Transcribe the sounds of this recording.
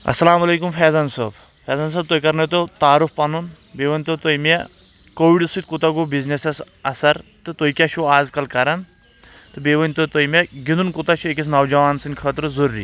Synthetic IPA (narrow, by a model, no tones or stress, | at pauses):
ɐ̰sːɐlaːmɐleːkumfʰeːzɐnsəːb | fʰʲeːzɐns̬ɐːb̚t̪oːikɐɾnɐt̪ot̪aːɾufʰpɐnun | beːʋɐnʲt̪ot̪ojme | koːʋiɖɨsut̪kut̪ɐɡubizneses | ɐ̰sɐɾt̪ɨt̪ojikʲat͡ʃʰuaːzkɐlkɐɾɐn | t̪ɨbeʋɐnʲt̪ɨt̪ojmeɡind̪unkut̪at͡ʃʰuek̬is̬nɐwd͡ʒɐʋaːnsɨnʲkʰət̪ɾɨzɐɾɾḭː